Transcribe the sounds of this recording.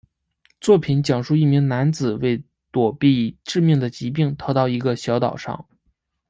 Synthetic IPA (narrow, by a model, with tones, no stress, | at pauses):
t͡swɔ˥˩pʰi˨˧˥nt͡ɕjɑ˨˩ŋʂu˥˧i˥˩mi˧˥ŋna˧˥nt͡sɹ̩˨˩we˥˩ɪ | t̪wɔ˨˩pi˥˧ʈ͡ʂɻ̩˥˧mi˥˩ŋd̪ə˩t͡ɕi˧˥p̬i˥˩ŋt̪ʰɑ˧˥ʊt̪ɑ˥˩ʊi˧˥ɡə˧ɕjɑ˧˥ʊt̪ɑ˨˩ʊʂɑ̰˥˩ŋ